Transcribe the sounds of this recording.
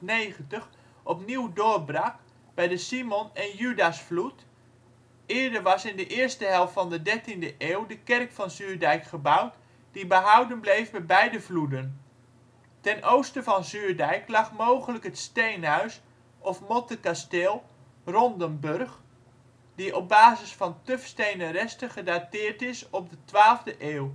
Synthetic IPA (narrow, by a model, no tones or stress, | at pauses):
nejχəntəχ | ɔpniwdʊːɹbrak | b̥ɛjdəsimɔnɛnjydasflut | ɪːɹdəɹʋɑsɪndəʔɪːɹstəɦɛlˠftfɑndədɛɹtindəʔeːwdəkɛrkfɑnzyːɹdɛjkχəbʌwt | d̥ibəɦʌwdənblejfmɛt̚bɛjdəvludən | tɛnʔowstəvɑnzyːɹdɛjklɑχmowχələkɦətstejnɦœɥs | ɔfmɔtəkastelˠ | rɔndəmbørχ | diʔɔp̚baːzəsfɑntøfstejnərɛstəχədatɪːɹtɪsɔb̚dətʋaːlˠvdəʔeːw